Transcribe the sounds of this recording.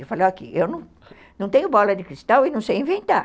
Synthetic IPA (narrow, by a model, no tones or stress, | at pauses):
efalewakḭʔewnɐ̃w̃ | nɐ̃w̃t̪ẽɲʊbɔlɐd̪ɪkɾist̪awɪnɐ̃w̃sejĩvẽnt̪a